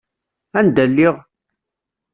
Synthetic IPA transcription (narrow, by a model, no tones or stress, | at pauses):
ænd̪ælːiʁ